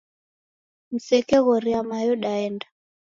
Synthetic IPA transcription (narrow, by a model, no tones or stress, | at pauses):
m̩sɛkɛɣɔɾiamajɔɗaɛnda